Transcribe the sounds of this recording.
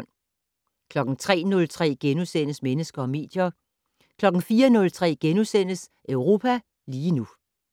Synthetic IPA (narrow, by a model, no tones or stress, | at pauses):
n̰ | kʰlɒ̽ɡ̥n̩t͡sʰʁɛ̰ːnɔ̽lt͡sʰʁɛ̰ːɡ̥enusen̰əsmenəsɡ̥ɐɒ̽me̝̰ːd̥jɐ | kʰlɒ̽ɡ̥n̩fiːɐnɔ̽lt͡sʰʁɛ̰ːɡ̥enusen̰əsʔœʊʁo̝ːpʰæ | liːnu